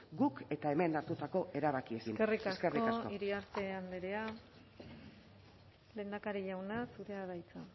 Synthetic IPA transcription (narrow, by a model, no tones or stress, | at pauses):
ɡuke̞t̪ae̞me̞naɾt̪ut̪ako̞e̞ɾaβakiesinerikaeskekriokasoiɾiaɾt̪e̞and̪eɾe̞a | le̞ːnd̪akaɾiʝawnasuðe̞að̞ajt͡sa